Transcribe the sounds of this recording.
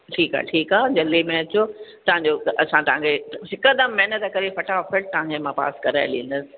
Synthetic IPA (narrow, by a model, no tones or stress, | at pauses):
ʈʰiːkɦa̰ːʈʰiːkɦaːd͡ʑɐlimẽɐt͡ɕot̪ɐʋ̤ãɲd͡ʑoɐsãt̪ɐʋɦãŋkʰesɪkəd̪əmːɛɦnət̪kɐɾefɐʈaɔfəʈ̚t̪ɐʋãŋkʰemãpa̰ːskɐɾaːɪ̰lĩːə̃n̆d̪əsɪ̥̆